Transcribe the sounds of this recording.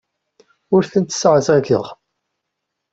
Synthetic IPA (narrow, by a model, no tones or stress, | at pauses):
ʊɾθənt̪sʕəsækə̰ʁ